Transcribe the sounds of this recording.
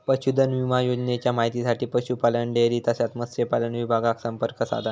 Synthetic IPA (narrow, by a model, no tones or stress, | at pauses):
pəɕud̪ʱənʋimajod͡ʑnet͡ɕjamaɦit̪isaʈiːpəɕupaləɳɖeɾiːt̪asat̪məsɾepalənʋibʱaɡaksəmpəɾkəsa̰d̪ʱan